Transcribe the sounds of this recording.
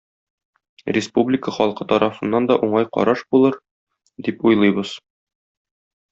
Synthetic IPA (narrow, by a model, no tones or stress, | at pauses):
rʲɪspublʲɪkəχɒlˠqɤt̪ɒɾʔɑfɤ̆nːɑnd̪ɒʔuɴɑjqɒ̰ɾɑʃbulˠɤɾ | d̪ipujlˠɤjbɤz̥